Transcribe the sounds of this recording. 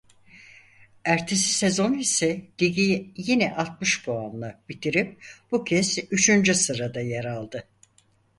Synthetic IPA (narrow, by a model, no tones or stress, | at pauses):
æɾt̪ʰesi̥se̞zo̞nisɛd̪̥iɟijinɛʔalˠt̪̚mɯʃboanlˠab̥it̪ʰiɾip̚b̥ucʰɛsyt͡ʃʰynd͡ʒysɯɾad̪ajeɾalˠd̪ɯ